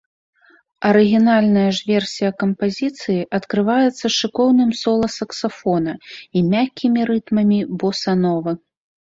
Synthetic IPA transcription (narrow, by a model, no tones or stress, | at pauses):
ɐɾɨɣʲinalʲnɐjɐʐvʲɛrsʲijɐkɐmpazʲit̪sɨjiʔɐt̪kɾɨvajɛt̪sːɐʂɨkɔwnɨmsɔlˠɐsɐksafɔnɐimʲakʲʰːimʲiɾɨt̪mɐmʲibɔsanɔvɨ